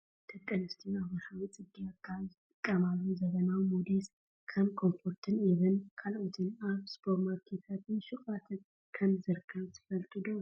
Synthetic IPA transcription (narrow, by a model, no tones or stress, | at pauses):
t̪ʰɐkʼːɐnɨst̪ʰiaβɾɐħawit͡sʼɨɡijakʰːazɨt̪ʼɨkʼːɐmalːuzɐɡɐnawmod̪es | kʰɐmkʰo̞mfo̞ɾt̪ʰɨniβɨnkʰalʔot̪ʰɨnaβspʰo̞ɾmaɾkʰet̪ʰat̪ʰɨnʃukʼat̪ʰɨn | kʰɐmzɨɾɨkʰɐβt̪ʰɨ̥fɐlt̪ʼɨd̪o